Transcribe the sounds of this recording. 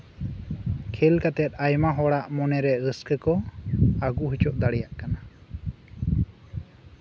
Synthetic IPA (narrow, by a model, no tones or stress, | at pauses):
kʰɛlkat̪ɛt̪̚ˀajmaɦɔɽaʔmɔnɛɾɛɾəskəkɔaɡuɦit͡ʃɔʔd̪aɽɛjaʔkana